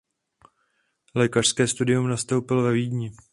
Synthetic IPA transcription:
lɛːkaʃskɛːst̪udɪumnast̪owpɪlvɛviːdɲɪ

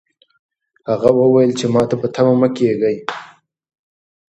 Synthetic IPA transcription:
haɣawəwajəlt͡ʃemɑt̪apət̪ʰamaməkeɡəj

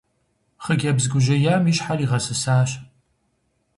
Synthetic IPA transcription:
χəɡʲɐbzɡʷʊʒɐjaːmiɕħariːʁɐsɨsaːɕ

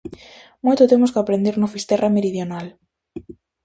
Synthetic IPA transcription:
mojt̪ʊt̪emʊskɪapɾend̪eɾnofist̪ɛrʔameɾiðjonal

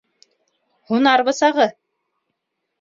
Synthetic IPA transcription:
hunɑɾβɤ̆sɑʁɤ

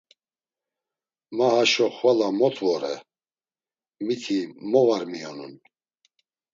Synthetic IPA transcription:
mahaʃɔχvalamɔt̪ʰʼvɔɾɛ | mit̪ʰimɔvaɾmijɔnṵn

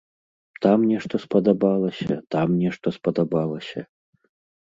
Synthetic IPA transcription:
t̪amnʲɛʂt̪ɔspɐd̪abalˠɐsʲɐt̪amnʲɛʂt̪ɔspɐd̪abalˠɐsʲɐ̰

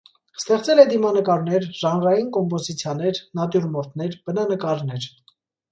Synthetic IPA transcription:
st̪ɛχt͡sɛlɛd̪imɑnəkɑɾnɛɾʒɑnɾɑjinkɔmpɔzit͡sʰjɑnɛɾnɑd̪juɾmɔɾt̪nɛɾb̥ənɑnəkɑɾnɛɾ

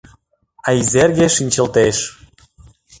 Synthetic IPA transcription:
ɑizerɣeʃinʲt͡ɕə̆lt̪eʃ

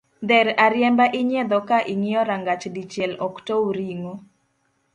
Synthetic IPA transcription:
d̪ɛɾaɾjɛmbaʔɪɲɛd̪ɔkaʔiŋiɔɾaŋɡat͡ʃdit͡ʃjɛlɔktowɾiŋo

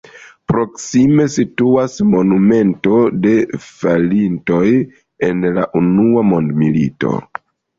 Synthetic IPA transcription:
pɾo̞ksime̞situasmo̞nume̞nto̞de̞falinto̞j | e̞nlaʔunuamo̞ndmilito̞̰

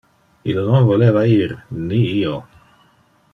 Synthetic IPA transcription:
ilnonvolevaiɾniio

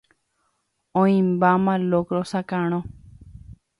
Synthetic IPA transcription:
õĩmbaːmaloːkɾosakaːɳ̃õ

